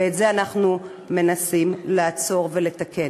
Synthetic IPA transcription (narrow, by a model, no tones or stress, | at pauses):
etzeanaχnu | me̞nasimlaːt͡so̞ʁvele̞t̪ake